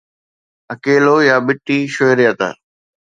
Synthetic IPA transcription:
əkeːloːjaːɓɪʈːiːʃoːɪɾjat̪a̰ː

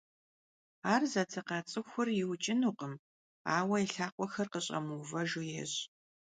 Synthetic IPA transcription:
aːrzɐtʰɨqɑːt͡sʼɨxʷʊrjɪwt͡ʃʼɪnuːqəm | aːwɐiɬaːqʷʼɔxɐrqəɕʼɐ̰muːvɐʒujɛːɕʼ

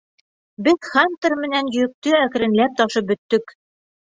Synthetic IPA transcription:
bɘðχant̪ɤ̆ɾmɘ̆nænjɵ̆jɘ̆k̚t̪ɵækɘ̆ɾɘ̆nlæp̚t̪ɒʃɤp̚bɵ̆t̪ːɵk

